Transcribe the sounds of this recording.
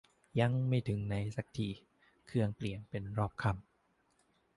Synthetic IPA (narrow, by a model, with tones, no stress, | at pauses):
ja˧˥ŋma˥˩jt̪ʰɯ˩˦ŋna˧˥jsa˨˩k̚t̪ʰiː˨˩ | kʰɯ˧əŋpli˨˩ənpe˧nɾɔː˥˩p̚kʰa˥˩m